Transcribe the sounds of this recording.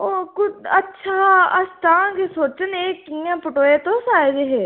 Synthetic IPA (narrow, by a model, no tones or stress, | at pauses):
oːkʊətːʃʰaːəsʈ̪ãːkesoːt͡ʃəneːkːijãːpʊʈoːeːt̪õsaːed͡ʒeɦeː